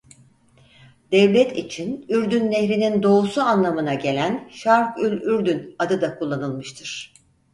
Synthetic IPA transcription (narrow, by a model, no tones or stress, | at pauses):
d̪̥ɛvlʲɛt̪ʰḭt͡ʃʰinyɾd̪ynːeçɾinind̪o̞usuanlˠamɯnaɟe̞lʲænʃaɾkylʲyɾd̪ynad̪ɯd̪akʰulˠːanɯlˠmɯʃt̪ʰɯɾ̥